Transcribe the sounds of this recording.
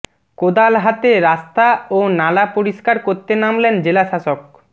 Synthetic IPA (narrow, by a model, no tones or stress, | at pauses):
kod̪alɦat̪eɾast̪aonalapoɾiʃkaɾkoɾt̪enamlend͡ʑelaʃaʃok̚